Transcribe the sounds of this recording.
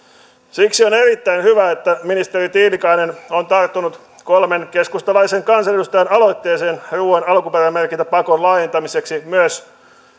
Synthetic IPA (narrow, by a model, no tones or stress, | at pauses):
siksionerit̪ːæinhyʋæet̪ːæminist̪erit̪iːlikɑinenont̪ɑrt̪ːonut̪ | kolmenkeskust̪ɑlɑiseŋkɑnsɑedust̪ɑjænɑlo̞jt̪ːe̞ːseːnruːenɑlkuperæmːerkint̪æpɑkonlɑːjent̪ɑmise̞ksimyøs